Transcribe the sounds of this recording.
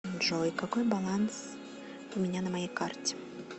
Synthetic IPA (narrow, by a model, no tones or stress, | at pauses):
ʐoikakojbɐlˠans | ʊmʲɪnʲanəmajejkartʲɪ̥